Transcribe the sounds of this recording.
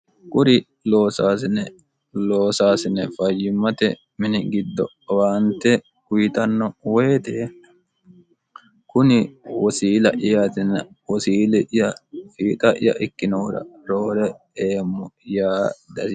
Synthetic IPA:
kʼʊɾɪ | lo̞ːsaːsɪnɛ | lo̞ːsaːsɪnɛfɐjɪmːɐt̪ɛ | mɪnɪɡɪd̪ːɔ | waːnt̪ːɛ | kʊjɪt̪ɐnːɔwɔt̪e | kʊnɪwɔsiːlɐ̰ʔɪjat̪ɪnːɐ | wɔsiːlɛʔɪjɐfiːt̪ʼɐʔɪ̰jɐ̰ʔɪkːɪnɔɾɐ̰ɾo̞ːɾɛ | eːmːɔjaːd̪ɐsɪ

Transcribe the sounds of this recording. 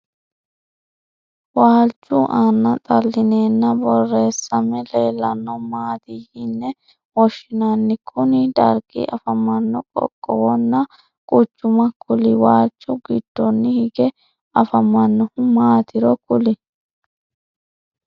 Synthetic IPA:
waːlt͡ʃːʊʔanːɐt̪ʼɐlːɪne̞ːnːɐbɔrːe̞ːsːɐmɛleːlːɐnːɔmaːt̪ihɪnːɛ | wɔʃːɪnɐnːɪkʰʊnɪd̪ɐɾɡɪ̰ʔɐfɐmːɐnːɔkʼɔ̰kʼːɔwɔnːɐ | kʼʊt͡ʃːʊmɐkʰʊlɪwaːlt͡ʃʼːʊɡɪd̪̥ːɔnːɪhɪɡɛ | ɐfɐmːɐnːɔmaːt̪ɪɾɔkʊlɪ

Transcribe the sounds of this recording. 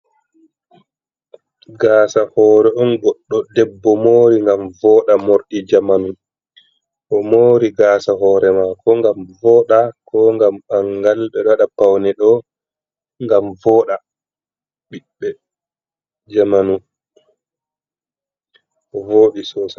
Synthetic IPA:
ɡaːsahɔːɾɛɗɔnɡɔɗːɔdɛbːɔmoːɾiŋɡamvɔːɗamoɾɗid͡ʒamanu | ʔɔmoːɾiɡaːsaɦɔːɾɛmakʰɔŋɡamvɔːɗakʰɔŋɡamaŋɡalɓɛɗɔaɗapawnɛɗɔ | ŋɡamvɔːɗa | ɓiɓːɛ | d͡ʒamanu | ʔɔvoːɗisɔːsa

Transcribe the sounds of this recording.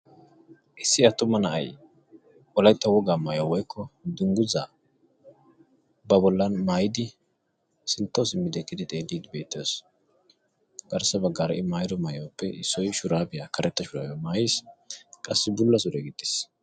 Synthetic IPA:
ʔɪsːɪɐt̪ːʊmːɐnɐʔɐ̰j | ɔlɐjt̪ːɐwɔɡaːmajawɔjkʰːɔd̪ʊŋɡʊzaː | bɐbɔlːɐnmaːjɪd̪ɪ | sɪnt̪ːɐwsɪmːɪd̪ɛkːɪd̪ɪt̪ʼeːlːiːd̪ɪbe̞ːt̪ːɪoːs | ɡ̥ɐɾsːɐbɐɡːaːɾɐʔɪmaːjd̪ɔmajɐwpːɛʔɪsːɔjʃʊɾaːbɪjakʰɐɾʔɛt̪ːɐʃʊɾa̰ːjɐmaːjɪskʼɐsːɪbʊlːɐs̬ʊd̪ɛɡɪd̪ːɪ̥s

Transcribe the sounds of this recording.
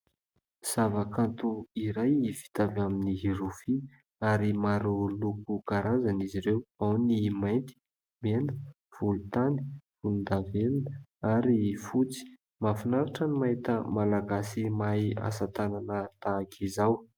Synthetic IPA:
z̥avakant̪uiɾajifi̥t̪avaminiɦiɾufi | aɾimaɾolukukaɾazaniziɾewawnimajnt̪i̥ | menə̥ | v̥ulut̪ani̥vulund̪avelunəaɾifut͡si̥ | mafinaɾaʈ͡ʂənimait̪əmalaɡasimaja̰sat̪ananət̪aːkʰizaw

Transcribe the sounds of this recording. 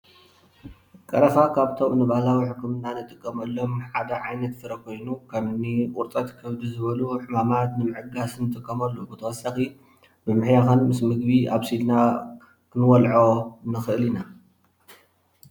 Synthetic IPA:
kʼɐɾɐfakʰaβt̪ʰo̞mnɨβahlawiħɨkʰːɨmnanɨt̪ʼɨkʼːɐmɐlːo̞mħad̪ɐʕajnɐt̪fɨɾɐkʰo̞jnukʰɐmɨniʔʼʊɾt̪ʼɐt̪kʰɐβd̪izɨβɐluħɨmamat̪nɨmɨʕɨɡasɨnɨt̪ʼɨkʼːɐmɐlːobɨt̪ʰɐwɐsːɐxi | bɨmɨħjaxɐnmɨsmɨɡbiaβsilna | kʰɨnɨwɔlʕonɨxɨʔɨlina

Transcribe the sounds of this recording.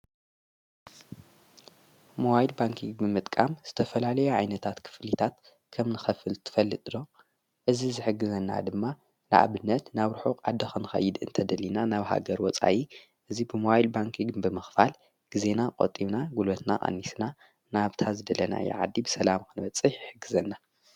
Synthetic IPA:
moβajilbaŋkʰiŋɡbɨmɨt̪ʼkʼamz̥ɨt̪ʰɐfɐlalɐjuʕajnɐt̪ʰat̪kʰɨ̥flit̪ʰat̪ | kʰɐmnɨxɐfɨlt̪ʰɨ̥fɐlːɨt̪ʼɨlo̞ | ʔɨzizɨħɨɡɨzɐnːa̰d̪ɨmːa | nɨʔa̰βɨnːɐt̪naβɾuħokʼʕad̪ɐxɨnɨxɐ̰jːɨd̪ɨ̰nt̪ʰɐd̪ɐlːinanaβha̰ɡɐɾwɔt͡sʼa̰ʔi | ʔɨzibɨmoβajilbaŋkʰiɡbɨmɨxfal | ɡ̥ize̞naqʼot̪ʼːiβnaɡulot̪na̰ʔʼa̰nːisna | naβt̪ʰazɨd̪ɐlɐna̰jɛ̰ʕa̰d̪ːibɨsɐlamkʰɨnɨbɐt͡sʼːɨħħɨɡːɨzɐnːa

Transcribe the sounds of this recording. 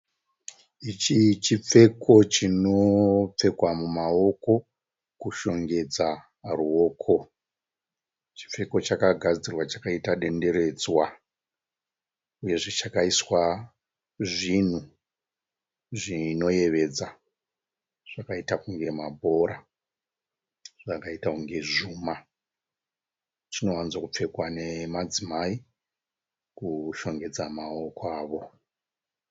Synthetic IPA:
it͡ʃit͡ʃip͡fe̞kʰo̞t͡ʃino̞p͡fe̞kwamumao̞ko̞ | kuʃo̞ŋɡe̞d͡za | ruo̞ːkʰo̞ | t͡ʃi̥p͡fe̞ko̞t͡ʃakaɡʱad͡zirwat͡ʃḁkaitaɗe̞nde̞ɾe̞d͡zwa | uje̞ʐet͡ʃakaiswa | ʐin̤u | ʐino̞je̞ʋe̞d͡za | ʐ̥akaitakuŋɡe̞mabʱo̞ɾa | ʐ̥akaitauŋɡe̞ʐuːma | t͡ʃino̞wanzwakup͡fe̞kwane̞mad͡zimai | kuʃo̞ŋɡe̞d͡zamaokwaːʋo̞

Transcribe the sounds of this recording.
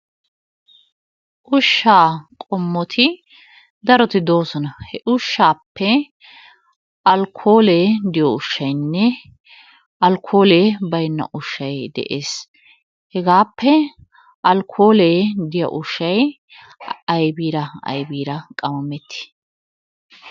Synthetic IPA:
ʔʊʃːaːkʼɔmːɔt̪ʰɪ | d̪ɐɾɔt̪ɪd̪o̞ːsɔnɐhɛʔʊʃːaːpːɛ | ʔɐlkʰːo̞ːleːd̪ɪjɔʊʃːɐjnːɛ | ʔɐlkʰːo̞ːleːbɐjnːɐ̰ʔʊʃːɐjd̪ɛ̰ʔeːs | hɛɡaːpːɛ | ʔɐlkʰːo̞ːleːd̪ɪjɔ̰ʔʊʃːɐj | ɐjbiːɾɐɐ̰jbiːɾɐkʼɐmɐmːɛt̪ːɪ̥

